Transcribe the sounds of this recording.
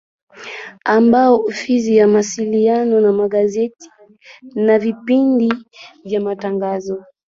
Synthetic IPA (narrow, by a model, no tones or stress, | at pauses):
ambaɔufisijamasilianɔnamaɠazɛti̥ | navipindivjamataŋɡazɔ